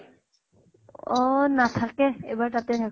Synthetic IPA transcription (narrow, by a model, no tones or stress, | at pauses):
ɔnat̪ʰakeejbaɹt̪at̪et̪ʰak